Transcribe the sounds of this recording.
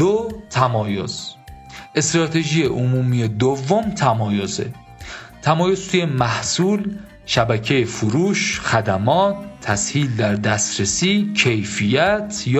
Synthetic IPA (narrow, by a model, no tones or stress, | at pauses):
ot̪ʰæmɒːjoz̥ | ʔe̞st̪ɾɒːt̪ʰe̞ʒijeʔomuːmije̞d̪ovːomt̪ʰæmɒːjo̞zḛ | t̪ʰæmɒːjo̞zt̪ʰuje̞mæhsuːl | ʃæbæcʰe̞jefuɾuːʃxæd̪æmɒːt̪ʰːæshiːld̪æɾd̪æst̪ɾesiːcʰe̞jfijæt̪ʰj